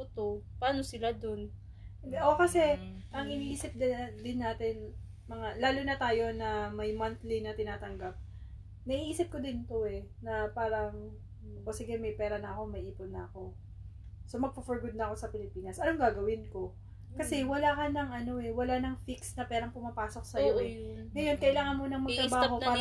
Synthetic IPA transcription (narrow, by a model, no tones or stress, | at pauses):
t̪opɐaːnosɪlad̪on | ʔokɐsɛʔɐŋɪniːsɪp̚d̪d̪ɪnːaːt̪ɪn | mɐŋalaːlonɐt̪aːjo̞nɐmɐjmɐnt̪lɪnɐt̪ɪnaːt̪ɐŋɡap̚ | nɐʔiʔiːsɪp̚ko̞d̪ɪnt̪o̞ɛnɐpaːɾɐŋ | ʔosɪɡɐmɐjpɛːɾɐnɐɐko̞mɐʔiːponːɐɐko̞ | so̞mɐɡ̚pofoɹɡod̪̚nɐɐko̞sɐpɪlɪpiːnɐsʔɐno̞ŋɡaːɡɐwɪnko̞ | kɐsɛwɐlaːkɐnɐŋʔɐno̞ɛwɐlanɐŋfiksnɐpɛːɾɐŋpʊmapaːso̞k̚sɐjoʔɛŋɐjo̞nkɐʔɪlaːŋɐnmunɐŋmɐɡ̚t̪ɾɐbaːho̞paː